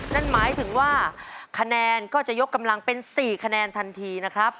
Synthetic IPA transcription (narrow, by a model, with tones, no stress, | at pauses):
na˥˩nmaː˩˦jt̪ʰɯ˩˦ŋwaː˥˩kʰa˧nɛː˧nkɔː˥˩t͡ɕa˨˩jo˦˥kːa˧mla˧ŋpe˧nsiː˨˩kʰa˧nɛː˧nt̪ʰa˧nt̪ʰiː˧na˦˥kʰɾa˦˥p̚